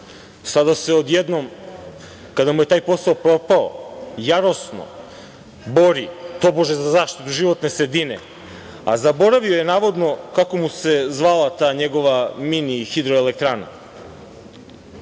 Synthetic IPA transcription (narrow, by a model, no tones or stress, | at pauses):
sad̪ase̞od̪jed̪nom | kad̪amuje̞t̪aːjpo̞saopɾo̞pao̰jaɾo̞sno̰ | bo̞ɾit̪o̞boʒezazaːʃt̪it̪uʒiʋo̞t̪ne̞sɾed̪inḛ | a̰zabo̞ɾaʋiojenaːʋo̞d̪nokako̞muse̞zʋalat̪aːɲe̞ɡo̞ʋaminixid̪ɾoelek̚t̪ɾaːna̰